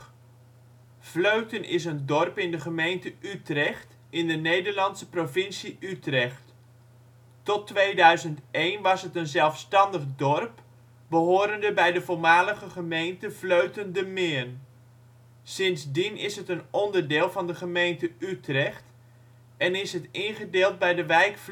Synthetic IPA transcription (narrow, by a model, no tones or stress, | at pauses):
v̥løɥtənʔɪs̬əndɔrpɪndəχəmejntəʔytrɛχt | ɪndənejdəɹlɑntsəprovɪnsiʔytrɛχt | ɔtʋejdœɥzəntejnʋɑsɦətənzɛlˠfstɑndəχdɔrp | b̥əɦoːɾəndəbɛjdəvolˠmaːləχəχəmejntəvløɥtəndəmɪːrn | sɪnzdinɪsɦətənɔndərdɪːlˠvɑndəχəmejntəytrɛχt | ɛnɪsɦətɪnχədeːlˠt̚bɛjdəʋɛjkf